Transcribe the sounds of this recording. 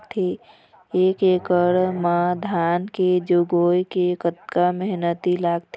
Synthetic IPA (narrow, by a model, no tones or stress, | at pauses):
t̪ʰe | eːkeːkəɾmãd̪ʱaːnked͡ʒoɡoːkekət̪kaməɦnət̪ilaːɡt̪ʰ